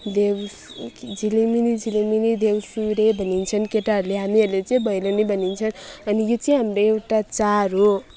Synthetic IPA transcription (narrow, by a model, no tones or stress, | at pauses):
d̪ew | d͡ziliminid͡ziliminid̪ewsuɾebʱʌnint͡sʰʌnkeʈaʌɾuleɦamiʌrlet͡sʌĩbʱʌjlonibʱʌnint͡sʰʌnʌnijot͡sʌĩɦamɾoewʈat͡saɾo